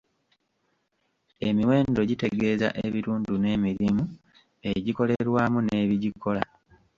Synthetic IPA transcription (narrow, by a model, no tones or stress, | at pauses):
e̞miwe̞ːndo̞ɟite̞ɡe̞ːza̰ʔeβiɾuːnɟune̞ːmiɾimu | e̞ɟiko̞le̞ɾwaːmune̞ːβiɟikʰo̞la̰